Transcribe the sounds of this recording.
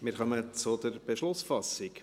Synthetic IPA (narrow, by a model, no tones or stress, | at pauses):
mɪɾχœmət͡sʊd̪əɾb̥eʃlʊsfɑsɪk